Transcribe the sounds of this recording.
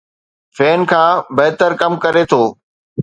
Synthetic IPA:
fɛːnkʰãːbɐɦt̪əɾkɐmkɐɾet̪ʰoː

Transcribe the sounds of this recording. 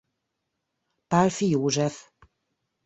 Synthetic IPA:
palfijoːʒɛf

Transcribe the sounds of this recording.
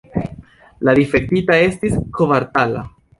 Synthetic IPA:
ladifek̚titae̞stiskʰovaɾtala̰

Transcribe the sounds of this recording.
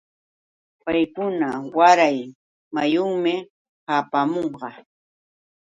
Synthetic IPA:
pajkʊnawaɾaj | majʊŋmɪ | haːpamoɴɢɑ

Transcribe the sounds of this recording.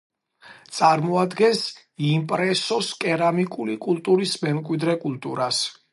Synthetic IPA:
t̪sʼaɾmɔad̪ɡɛns | impʼɾɛsɔskʼɛɾamikʼulikʼulˠt̪ʼuɾismɛmkʼwid̪ɾɛkʼulˠt̪ʼuɾas

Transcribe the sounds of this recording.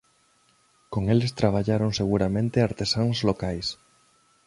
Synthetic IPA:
koŋelest̪ɾaβ̞aʎaɾoŋseɣ̞uɾamẽnt̪eaɾt̪esaŋzlokajs

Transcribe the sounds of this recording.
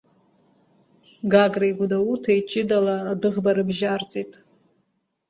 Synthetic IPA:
ɡaɡrajɡʷudautʰajt͡ʃʼɪdaladɨʁbaɾɨbʒart͡sʼitʼ

